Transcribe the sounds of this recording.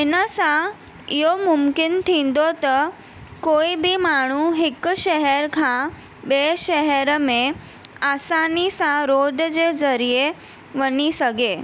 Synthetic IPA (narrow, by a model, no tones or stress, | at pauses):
ɪnəsã | ɪɦomʊmkɪnt̪ʰĩːn̆d̪ot̪ɐ | koːibimaːɳ̤uɦɪkʃɛɦɛɾkʰã | ɓeːʃɛɦɛɾəmẽ | aːsaːnisãɾoːɖd͡ʑezɐɾie | ʋɐɲisɐɡʱeː